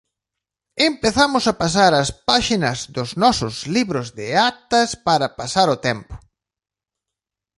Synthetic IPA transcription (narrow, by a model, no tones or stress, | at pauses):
empeθamʊsɐpas̬aɾɐspaʃinɐzðʊznɔsʊzliβɾʊzðeak̚t̪ɐspaɾɐpasaɾʊt̪ɛmpʊ̥